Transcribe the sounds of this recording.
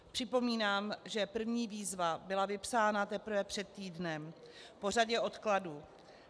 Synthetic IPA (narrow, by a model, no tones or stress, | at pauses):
pr̝̥ɪpo̞miːnaːmʒɛpr̩vɲiːviːzvabɪlavɪpsaːnat̪ɛpr̩vɛpr̝̥ɛt̪̚ːiːdnɛm | po̞r̝aɟɛʔo̞t̪kladu